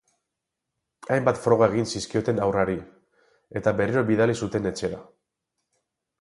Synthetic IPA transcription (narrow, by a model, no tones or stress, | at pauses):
ajmbat̪fɾo̞ɣ̞ae̞ɣ̞insiskio̞t̪e̞nawraɾi | e̞t̪abe̞ɾeɾo̞βiðalisut̪e̞ne̞t͡ʃe̞ɾa̰